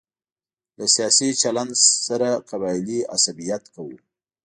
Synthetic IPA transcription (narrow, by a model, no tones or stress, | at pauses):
lasijɑsit͡ʃaland̪saɾaqabɑjlia̰sabijat̪kawu